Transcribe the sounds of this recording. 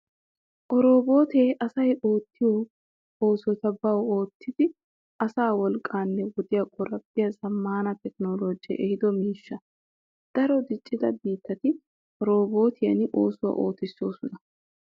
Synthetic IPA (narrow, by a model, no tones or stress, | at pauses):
ʔɔɾo̞ːbo̞ːt̪eːʔɐsɐjoːt̪ːɪjo | oːsɔt̪ɐbɐwoːt̪ʰːɪd̪ɪ | ɐsaːwɔlkʼːaːnːɛwɔd̪ɪjɐkʼɔɾɐbɪjɐzɐmːaːnɐt̪ɛknoːloːd͡ʒɪjɛ̰ʔɛhɪd̪ɔmiːʃːɐ | d̪̥ɐɾɔd̪ɪt͡ʃʼːɪd̪ɐ̰biːt̪ːɐt̪ɪ | ʔɔɾo̞ːbo̞ːt̪ʰɪjɐnɪʔo̞̰ːsʊwɐ̰ʔo̞̰ːt̪ːɪsːo̞ːsɔnɐ